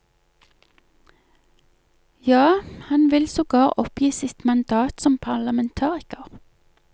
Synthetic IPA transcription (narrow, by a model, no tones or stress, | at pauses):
jɑːhɑnʋɪlsoːɡɑːʁʔɔpjiːsɪt̪mɑnd̪ɑːt̪sɔmpʰɑʁlɑmɛnt̪ʰɑːʁɪkəʁ